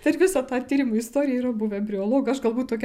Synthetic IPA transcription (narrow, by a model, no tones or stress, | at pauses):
t̪ɐɪɾʋʲɪsɑt̪ɑːt̪ʲiːɾʲɪmʊɪst̪oːɾʲɪjɛiːɾɐbʊʋʲɛbʲɾʲɪoːlˠoːɡɐɐʃɡɐlˠbuːt̪̚toːkʲɛ